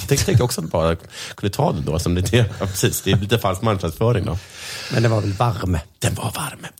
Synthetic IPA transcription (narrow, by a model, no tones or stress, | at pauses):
t̪ɛt̪ʰɛŋkt̪jɾɔksɔat̪bɑːɾa | kʰɵnd̪ət̪ʰɑ̰ːd̪ɛnd̪o̰ːsɔmd̪ɛt̪ʰɑpʰɾɛsiːsd̪̥ɛjliːt̪əfalskmanɧnad̪sfœːɾɪŋd̪o̰mɛnd̪ɛnvaɾvɛlvaɾməd̪̥ɛnva̰ɾvaɾmə